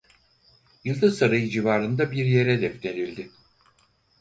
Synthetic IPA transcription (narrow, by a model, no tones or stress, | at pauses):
jɯlˠd̪ɯsaɾajɯd͡ʒivaːɾɯnd̪abiɾje̞ɾɛd̪ɛft̪ʰe̞ɾilʲd̪ɪ